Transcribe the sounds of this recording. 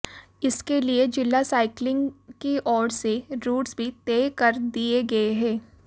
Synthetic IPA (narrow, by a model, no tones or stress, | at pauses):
ɪskelied͡ʒɪlːasaːɪklɪ̃ŋɡkiʔɔːɾseɾuːʈsbʱit̪eːkɐɾd̪ieɡɐeɦɛ̃ː